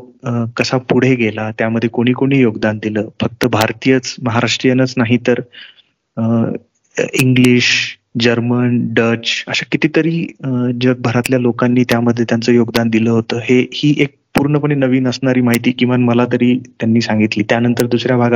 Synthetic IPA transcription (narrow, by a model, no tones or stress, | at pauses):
kəsapuɽ̤eɡʱelat̪jaməd̪ʱːjekoɽ̃iːkoɽ̃iːjoɡd̪and̪iləːfək̚t̪əbʱaɾt̪ijət͡sməɦaɾaʂʈɾijənət͡snaɦit̪əɾ | iŋɡliɕ | d͡ʑəɾmənɖəɾt͡ɕə̰ɕakit̪iːt̪əɾiːd͡ʑəɡ̚bʱəɾat̪ljalokanːiːt̪jaməd̪ʱːjet̪jant͡səːjoɡd̪and̪iləːɦot̪əːɦehiːʔek̚puɾɳəpəɳ̃inəʋiːnəsɳaɾiːmaɦit̪iːkĩw̃ʋanməlat̪əɾiːt̪janːiːsãŋɡit̪liːt̪janənt̪əɾd̪usɾjabʱaɡa